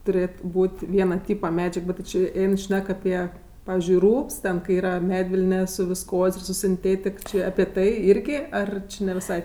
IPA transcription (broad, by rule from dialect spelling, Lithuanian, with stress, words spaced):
tʊˈrʲeːt ˈbuːtʲ ˈʋʲiɛnɐ ˈtʲiːpɐ ˈmʲæːd͡ʒʲɛk ˈbʲɛt tʲɪ ˈt͡ʃʲeː ˈɛɪn ˈʃʲnʲɛk ɐˈpʲiɛ ˈpɑːʋʲɪzʲd͡ʒʲʊɪ ˈruːps tʲɛn kɐɪ ˈiːrɐ ˈmʲæːdʲʋʲɪlʲnʲɛ sʊ ʋʲɪsˈkoːsʲ ɪr sʊ sʲɪnʲˈtʲeːtʲɪk t͡ʃʲɪ ɐpʲɪ ˈtɐɪ ˈɪrʲɡʲɪ ˈɐr t͡ʃʲɪ nʲɛ ʋʲɪˈsɐɪ